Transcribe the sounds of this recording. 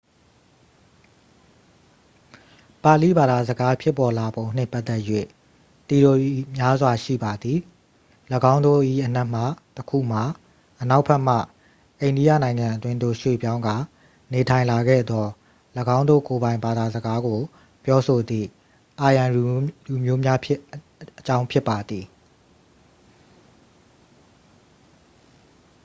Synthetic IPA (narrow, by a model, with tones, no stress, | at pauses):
pa˨li˦˨ba˨d̪a˨zəɡa˦pʰjɪ˦˨pːɔ˨la˨bõ˨ʊ̃n̥ɪ̰̃˦˨mpa˦ʔt̪ːɛ˦ʔjwḛ˦˨ | t̪i˨ɾo˨i˦˨mja˦zwa˨ʃḭ˦˨ba˨d̪ði˨ | ləɡã˦ʊ̃nd̪o̰˦˨ʔḭ˦˨ʔən̥ɛ˦ʔm̥a˦˨təkʰṵ˦˨m̥a˨ | ʔəna˦ʊʔpʰɛ˦ʔm̥a̰˦˨ | ʔẽ˨ɪ̃ndi˦ja̰˦˨nã˨ɪ̃ŋã˨ʔətwɪ̃˦nd̪o̰˦˨ʃwḛ˦˨pjã˦ʊ̃ŋɡa˦˨ | ne˨tʰã˨ɪ̃la˨ɡɛ̰˦˨d̪ɔ˦ | ləɡã˦ʊ̃nd̪o̰˦˨ko˨bã˨ɪ̃mba˨d̪a˨zəɡa˦ɡo˨ | pjɔ˦so˨d̪ðḭ˦˨ | ʔa˨jã˨lu˨lu˨mjo˦mja˦ | ət͡ɕã˦ʊ̃mpʰjɪ˦pːa˨d̪ði˨